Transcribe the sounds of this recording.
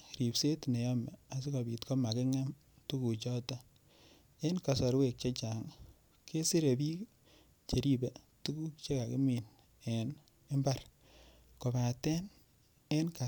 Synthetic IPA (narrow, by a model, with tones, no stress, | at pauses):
ɾi˨pse˦tne˨jɔ˦mɛ˨a˨s̬i˦kɔ˨bi˨tkɔ˦ma˨kɪ˦ŋa˦m | tu˦ku˨t͡ʃɔ˦tɔ˦ | e˦nka˨sɔ˨ɾwe˨k̚t͡ʃe˦t͡ʃa˨ŋ | kʰe˦si˦ɾe˨bi˦ | t͡ʃe˨ɾi˦be˨ | tu˦ku˦kt͡ʃe˦ka˨kɪ˦mi˨n | e˨n | ɪ˦mba˦˨ɾ | ko˨ba˨tɛ˦n | e˦nka˨